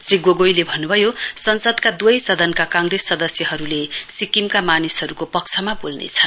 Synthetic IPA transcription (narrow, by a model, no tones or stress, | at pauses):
sriɡoɡojlebʱʌnːubʱʌjosʌnsʌd̪kad̪uʌjsʌd̪ʱʌnkakãŋɡresːʌd̪ʌsjʌɦʌɾulesikimkamanisɦʌɾukopʌk̚t͡sʰʌmabolnḛt͡sʰʌn